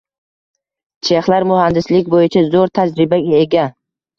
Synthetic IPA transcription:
t͡ʃʰeχlaɾmʊhand̪ɪslɪkʲbojɪt͡ʃʰazoɾt̪ʰad͡ʒɾɪbaɡʲaeɡʲa

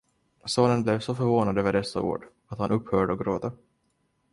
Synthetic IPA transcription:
soːnənblɛvsɔfœɾvoːnad̪øːvəɖɛsːa̰ṵːɖ | at̪hanʔɵphœːɖəɔkɡɾoːt̪ə

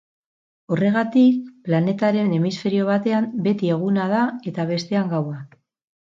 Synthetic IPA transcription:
o̞re̞ɣ̞at̪ik̚plane̞t̪aɾe̞ne̞misfe̞ɾio̞β̞at̪e̞ambe̞t̪ie̞ɣ̞unað̞ae̞t̪aβ̞e̞st̪e̞aŋɡawa

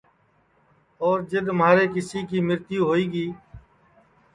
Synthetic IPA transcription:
ɔːɾd͡ʒɪd̪maːɾeːkɪsiːkiːmɪɾt̪ɪjũːɦoːiːɡiː

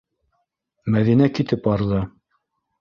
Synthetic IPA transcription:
mæðinækit̪ɘpɑɾðɤ

